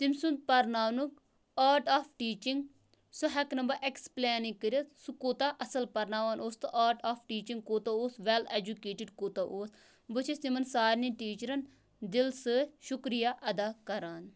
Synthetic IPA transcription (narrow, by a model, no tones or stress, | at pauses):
t̪imsund̪̚pɐɾnaːʋnuk | aːɾʈaːpʰʈiːt͡ʃiŋɡ | suɦɛknɐmbɐʔeksplɛːnĩkːəɾʲɐt̪sukoːt̪aːʔɐsɐlpɐɾnaːʋaːnoːst̪ɨʔaːɾʈaːpʰʈiːt͡ʃiŋɡ̚koːt̪aoːsʋɛled͡ʒukeːʈiɖkoːt̪aʔoːs | bɨt͡ʃʰisimɐnsaːɾniʈiːt͡ʃəɾɐn | d̪ilsɨʃukɾijaːʔɐd̪aːkɐɾaːn